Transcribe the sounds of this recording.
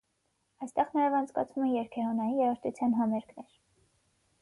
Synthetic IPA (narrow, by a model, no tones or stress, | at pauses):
ɑjst̪ɛʁnɑjɛvɑnt͡sʰkɑ̰t͡sʰvumɛjɛɾkʰɛɾɔnɑjijɛɾɑɾt̪ut͡sʰjɑnɦɑmɛɾkʰnɛɾ